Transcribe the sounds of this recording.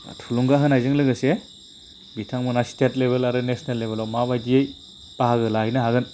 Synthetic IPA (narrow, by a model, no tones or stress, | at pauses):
tʰuluŋɡaɦɯnajzɯŋlɯɡɯse | bitʰaŋmunastet̚lebelaɾɯnesnelːebelawmabajdiej | paɦaɡɯlaɦjnaɦaɡɯn